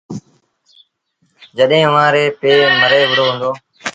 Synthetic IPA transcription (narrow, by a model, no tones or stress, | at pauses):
d͡ʒəɗɦẽːəʋãːɾeːpeːməɾeːʋəɽ̤oːɦʊ̃nd̪oː